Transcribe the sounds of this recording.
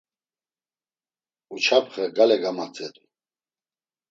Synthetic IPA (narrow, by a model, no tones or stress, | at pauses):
ut͡ʃʰapʰχəɡalɛɡamat͡sʼɛd̪ʼu